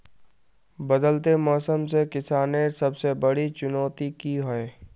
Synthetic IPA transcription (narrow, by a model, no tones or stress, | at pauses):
bɐd̪əlt̪emɔːsəmsekɪsaːnesɐbsebɐɽit͡ʃʊnɔːt̪ikiɦoe